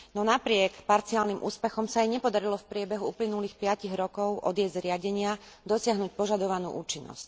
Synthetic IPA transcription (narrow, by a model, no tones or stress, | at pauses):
nɔnapɾɪɛkpaɾt͡sialnimʔṵːspɛxɔmsaajɲɛpɔd̪aɾilɔfpɾɪɛbɛɦuuːplinuliːxpɪaciɣɾɔkɔʊʔɔd̪ɪɛzɾɪaɟɛɲɪad̪ɔsɪaɦnuc̚pɔʒad̪ɔʋanṵːʔuːt͡ʃinːɔ̰sc